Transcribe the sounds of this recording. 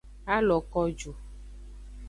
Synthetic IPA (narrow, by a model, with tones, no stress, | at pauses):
a˦lɔ˨kɔ˦d͡ʒo˨